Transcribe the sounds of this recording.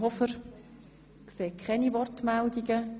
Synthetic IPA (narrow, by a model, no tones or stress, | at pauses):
ɦɔfəɾ | kseːkʰχɛnivɔrtmɛldiɡə